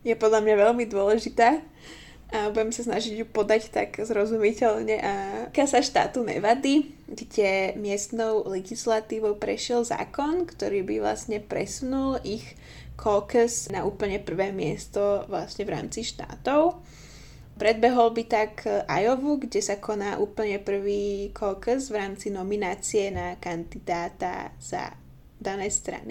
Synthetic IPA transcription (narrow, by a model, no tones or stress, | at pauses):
jɛpɔd̪lʎamɲaʋɛlmid̪ʊɔlɛʒit̪aː | ʔabuɟɛmsasnaʒiɟjupɔd̪act̪a̰ɡzɾɔzumicɛʎɲɛʔakalsaʃt̪a̰ːt̪unɛ̰ʋad̪iɡdɛmɪɛst̪nɔʊlɛɡislat̪iːʋɔʊpɾɛ̰ʃɪɛlza̰ːkɔnkt̪ɔɾiːbiʋla̰sɲɛpɾɛ̰sunulix | kʰɔkəsnaʔuːpl̩ɲɛpr̩ʋɛːmɪɛst̪ɔʋlasɲɛvɾa̰ːmt͡siʃt̪a̰ːt̪ɔʊ | pɾɛd̪̚bɛɦɔlbit̪akʔajɔʋuɡɟɛsakʰɔnaːʔuːpl̩ɲɛpr̩ʋiːkʰɔkəzʋɾaːmt͡sinɔminaːt͡siɛnakand̪id̪aːt̪a̰z̥a̰ | d̪anɛːst̪ɾa̰ni